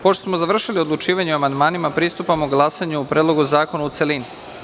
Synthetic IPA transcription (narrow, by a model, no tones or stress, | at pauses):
poʃt̪osmo̞zaʋr̩ʃilio̞d̪lˠut͡ʃiːʋaɲeuamand̪maːnimapɾiːst̪upamuɡlˠaːsaɲuupɾed̪lo̞ɡuzaːko̞naut̪selini